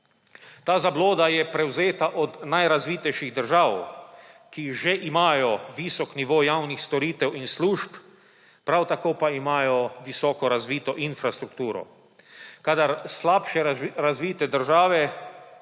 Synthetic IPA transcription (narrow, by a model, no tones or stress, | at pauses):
t̪aːzabloːd̪ajɛpɾɛwzeːt̪aʔɔd̪najɾazʋiːt̪ɛjʃiɣd̪əɾʒaːw | kiʒeʔimaːjɔʋisɔkniʋoːjawnixst̪ɔɾiːt̪ɛwinsluːʃp | pɾawt̪akoːpaimaːjɔʋisɔːkɔɾazʋiːt̪ɔʔinfɾast̪ɾuk̚t̪uːɾɔ̰ | kaːd̪aɾslaːpʃɛɾazʋiːt̪ɛd̪əɾʒaːʋɛ